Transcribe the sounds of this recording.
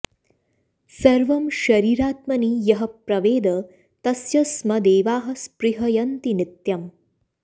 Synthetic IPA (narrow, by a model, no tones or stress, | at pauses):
sɐɾʋɐmʃɐɾiːɾaːt̪mɐniːjɐɦɐpɾɐʋeːd̪ɐ | t̪ɐsjɐsmɐd̪eːʋaːɦɐspɾiɦɐjɐnt̪inɪt̪jɐm